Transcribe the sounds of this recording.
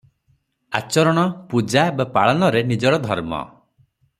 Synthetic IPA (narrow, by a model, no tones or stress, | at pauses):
a̰t͡ʃɔɾɔɽ̃ɔpud͡ʒabapaɭɔnɔɾenid͡ʒɔɽɔd̪ʱɔɾmɔ̰